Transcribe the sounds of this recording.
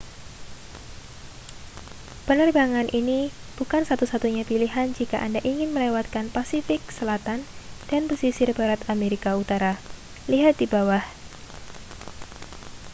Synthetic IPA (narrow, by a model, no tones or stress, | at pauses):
pənərbaŋanʔini | b̥ukansat̪usat̪uɲapiliɦand͡ʒikaʔandaʔiŋɪnməlewat̪̚kanpasifɪksəlat̪and̥anpəsisɪrbaɾat̪ameɾikaut̪aɾa | liɦat̪̚d̥ibawah